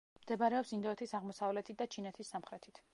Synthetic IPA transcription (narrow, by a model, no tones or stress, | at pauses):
md̪̥ɛbaɾɛɔpsind̪ɔɛt̪ʰisaʁmɔsavlɛt̪ʰit̪̚d̪at͡ʃʰinɛt̪ʰisːamχɾɛt̪ʰit̪ʰ